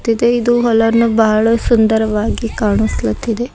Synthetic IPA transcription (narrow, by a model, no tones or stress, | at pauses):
t̪ːid̪eid̪uɦɔlɐnːubɐɦɐɭɐsund̪ɐɾɐʋaːɡikaːɳuslɐt̪ːid̪e